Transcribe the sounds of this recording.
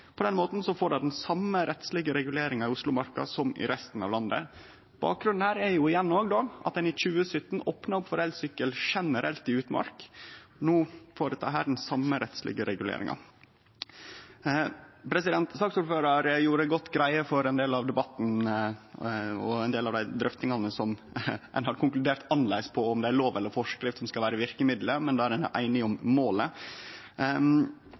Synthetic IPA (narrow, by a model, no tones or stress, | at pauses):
pʰɔd̪ɛnmoːt̪n̩sɔfoːɖɑd̪nsɑmːəɾɛt̪slɪɡəɾɛɡʉleːɾɪŋɑɪʊslʊmɑɾkɑ̰sɔmɪ̰ɾɛst̪n̩ɑ̰ʋlɑnd̪ə̰ | b̥ɑ̰ːk̚ɡɾʉnn̩hæːɾæɾjʊɪjɛnːoːɡd̪oːɑ̰t̪̚d̪ɛnɪc͡çʉːəsʏt̪ːn̩oːpnɑɾʊpfɔɾɛlsʏkːəlʂɛnəɾɛlt̪ɪʉːt̪mɑ̰ɾknuːfoːɾət̪ʰɑ̰ːɦæːɖɛn̩sɑmːəɾɛt̪slɪ̰ɡəɾɛɡʉlḛːɾɪ̰ŋɑ̰ | pʰɾɛsɪd̪ɛnt̪sɑːksuːɾføːɾɑɾjuːɾəɡɔt̪ːɡɾæɪəfɔɾɛnd̪eːlɑʋd̪ɛbɑt̪n̩ | ɔɛɪnd̪eːlɑʋd̪æɪd̪ɾœft̪ɪŋɑnəsɔm | ɛ̰nhɑɾkʰʊŋklʉd̪eːɾt̪ʰɑnlæɪspʰɔɔmd̪ɛæɾɭoːʋɛlːəɾfɔʂkɾɪft̪sɔmskɑʋæːɾəʋɪɾkəmɪd̪ləmɛnd̪ɛːæɾɛn̰ʔæ̰ɪnɪŋɔmːoːlə